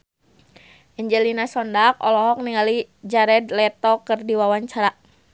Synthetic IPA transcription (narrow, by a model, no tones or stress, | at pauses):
ʔɛɲd͡ʒɛlinasɔndak̚ɔ̰lɔɦɔk̚niŋalid͡ʒaɾɛd̪lɛt̪ɔkɨrdiwawaɲt͡ʃaɾaʔ